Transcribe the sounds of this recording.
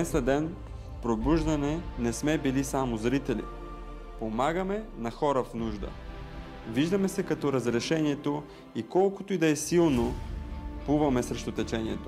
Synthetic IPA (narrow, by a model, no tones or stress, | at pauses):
ɛsɐd̪ɛn | pɾobuʒd̪ɐnɛnɛsmɛbilisamozɾit̪ɛlḭ | pomaɡəmɛnɐxɔɾəfnuʒd̪ə̰ | viʒd̪əmɛsɛkɐt̪ɔɾɐzɾɛʃɛniɛt̪o | ikɔlˠkot̪oid̪ɐɛsilˠno | puvɐmɛsɾɛʃt̪ot̪ɛt͡ʃɛniɛt̪o̥